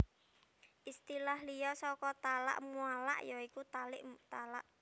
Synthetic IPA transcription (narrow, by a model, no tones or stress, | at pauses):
ʔist̪ilahlijɔsɔkɔt̪ala̰ʔmuala̰ʔjɔikut̪alɪ̰ʔmt̪ala̰ʔ